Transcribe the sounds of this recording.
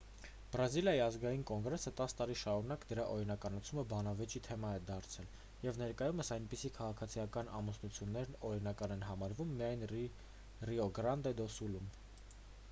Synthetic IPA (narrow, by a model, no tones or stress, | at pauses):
b̥ɾɑziljɑjiɑzɡɑjinkɔŋɡɾɛsət̪ɑst̪ɑɾiʃɑɾunɑkd̪əɾɑʔɔɾinɑkɑnɑt͡sʰuməbɑnɑvɛt͡ʃit̪ʰɛmɑɛd̪ɑɾt͡sʰɛl | jɛvnɛɾkɑjuməsɑjnpisikʰɑʁɑkʰɑt͡sʰijɑkɑnɑmusnut͡sʰjunːɛɾnɔɾinɑkɑnɛnɦɑmɑɾvumːijɑjn | riɔɡɾɑnd̪ɛd̪ɔsulum